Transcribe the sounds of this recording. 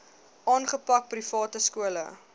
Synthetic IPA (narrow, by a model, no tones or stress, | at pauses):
ʔɑːnχəpɐk̚prifɑːtəskuələ̰